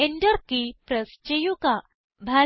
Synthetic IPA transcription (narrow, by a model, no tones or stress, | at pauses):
eɳɖəɾkipɾəst͡ʃejuka | bʱa